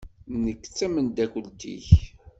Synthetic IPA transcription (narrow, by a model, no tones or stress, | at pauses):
nəkːt͡sːæmənd̪ækʷəlt̪ḭç